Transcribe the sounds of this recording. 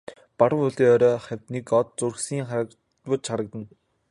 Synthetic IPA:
paɾə̆wʊɮiːœɾʲɔːχæwʲt̪nikɔt̪̚t͡surxsiːŋχaɾək | wʊ̆t͡ɕχaɾə̆k̚t̪ə̆n

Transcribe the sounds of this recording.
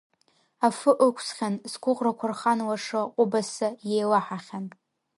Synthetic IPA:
afɨʔəkʷʰsχʲanzɡʷʊqrakʷʰarχanwaʂɨqʷʼʊbasajejlaħaχʲan

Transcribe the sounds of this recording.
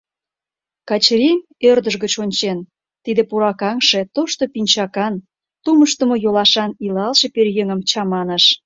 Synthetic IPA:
kɑt͡ɕɾem | ørd̪əʒɣət͡ɕonʲt͡ɕen | t̪id̪ĕpuɾɑkɑŋʃe̽t̪oʃt̪opinʲt͡ɕɑkɑn | t̪uməʃt̪ə̆mojolɑʃɑnilɑlʃeperjeŋəmt͡ɕɑmɑnəʃ

